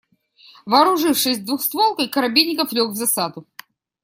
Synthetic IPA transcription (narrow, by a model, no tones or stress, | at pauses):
vɐːɾʊʐɨfʂɨsʲd̪vuxst̪volˠkəjkəɾɐbʲiɪkəflʲokvzɐsad̪ʊ